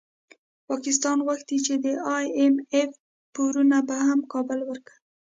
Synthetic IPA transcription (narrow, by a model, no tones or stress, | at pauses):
pɑkɪs̬t̪ɑnwaxt̪̚d̪it͡ʃed̪əɑjemef | puɾunabahamkɑbʊlwəɾkḁ